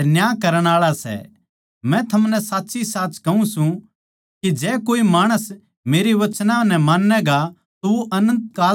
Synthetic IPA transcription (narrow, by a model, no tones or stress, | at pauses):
njaːkɐɾəɽ̃aːɭasɛ̰ | mɛ̃t̪ʰɐmnɛsaːtːsisaːt͡ʃkɐũsũ | kid͡ʒɛːkoːimaːɽ̃əs | meːɾiʋɐt͡ʃnãnɛ̃maːnːɛɡa | t̪ooʔɐnə̃nt̪kaː